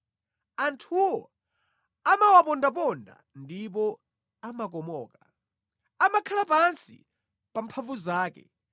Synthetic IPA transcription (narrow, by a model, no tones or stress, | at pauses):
antʰuwɔ | amawapɔndap̬ɔnda̰ | ndipɔ | amak̬ɔmɔːka | amakʰalapansḭ | pampʰavuzaːkɛ̰